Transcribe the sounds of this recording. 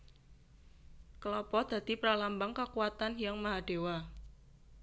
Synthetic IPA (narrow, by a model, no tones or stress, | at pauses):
kəlɔpɔd̪̥ä̤d̪̥i̤pɾalambaŋkakuwat̪anjaŋmaɦaɖ̥e̤wa